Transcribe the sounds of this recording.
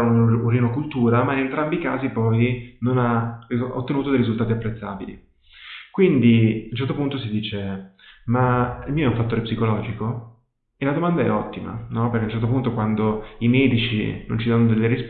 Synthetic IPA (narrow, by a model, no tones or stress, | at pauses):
uɾinokult̪uːɾamainent̪ɾambika̰ːzipɔjnonaḭot̪ːenuːt̪od̪ejɾizult̪aːt̪iapːɾet̪sːaːbilḭ | kwind̪iaunt͡ʃːɛrt̪opunt̪osid̪iːt͡ʃe | mailmiːoɛũɱfat̪ːoːɾepsikolɔːd͡ʒiko | elad̪omand̪aɛ̰ɔ̰t̪ːima̰nɔpeɾrkeunːt͡ʃɛrt̪opunt̪okwand̪oimɛːd̪it͡ʃḭno̰nt͡ʃid̪anːod̪elːeɾis